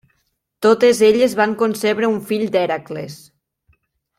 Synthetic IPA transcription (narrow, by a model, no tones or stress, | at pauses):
t̪ot̪ezeʎezβaŋkonseβɾeuɱfiʎd̪ɛɾakles